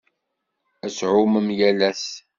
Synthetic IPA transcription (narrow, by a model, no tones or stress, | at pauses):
æsʕʊməmjælæs